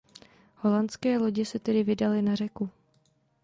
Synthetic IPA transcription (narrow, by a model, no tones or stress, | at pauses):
ho̞lant͡skɛːlo̞ɟɪsɛt̪ɛdɪvɪdalɪnar̝ɛku